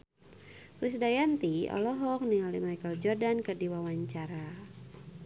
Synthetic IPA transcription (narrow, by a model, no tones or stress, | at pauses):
rusdajant̪iɔ̰lɔɦɔk̚niŋalimajkald͡ʒɔrdankərdiwawaɲt͡ʃaɾa